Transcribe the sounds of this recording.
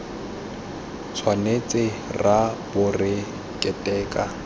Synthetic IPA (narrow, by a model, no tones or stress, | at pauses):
t͡sʰwanet͡sʼɪrabʊrɪ | kʼɛtʼɛːkʼa